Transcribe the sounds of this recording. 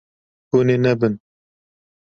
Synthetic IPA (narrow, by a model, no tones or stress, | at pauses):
unenɛbɨn